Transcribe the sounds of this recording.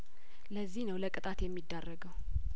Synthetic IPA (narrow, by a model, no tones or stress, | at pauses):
ləzːihnəwləkʼɨt̪ʼat̪jɛmːid̪ːarːəɡəw